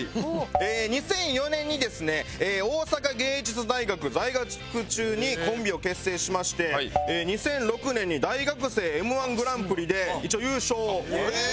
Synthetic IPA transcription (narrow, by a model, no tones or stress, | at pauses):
eːɲ̟isẽ̞ɰ̃jo̞nẽ̞ɲ̟ːid̪e̞sɨne̞ːoːsakaɡe̞ːid͡ʑit͡sɨd̪aiɡakɯ̟zaiɡakɯ̥kɯ̟t͡ɕɨːɲ̟ikõ̞mbʲio̞ke̞sːe̞ːɕimaɕi̥t̪e̞eːɲ̟isẽ̞nɾo̞kɯ̟nẽɲ̟ːid̪aiɡakɯ̟se̞ːemɯ̟ãŋɡɯ̟ɾãmpɯ̟ɾʲid̪e̞it͡ɕiojɯːɕoː